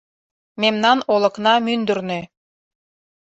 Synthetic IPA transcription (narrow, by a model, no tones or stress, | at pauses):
memnɑnolˠɤ̆knɑmynd̪ɘrne